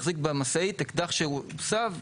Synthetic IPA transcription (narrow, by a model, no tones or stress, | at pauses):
χzik̚bamasait̪ekd̪aχʃeusav